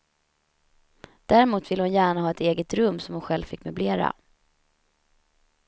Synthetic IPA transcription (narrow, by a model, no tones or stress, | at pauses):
d̪̥æɾɪmuːt̪vɪlːəhʊnjæːɳahɑːɛt̪eːɡət̪ɾɵmːsɔmhʊnɧɛlvfɪkːmɵbleːɾa̰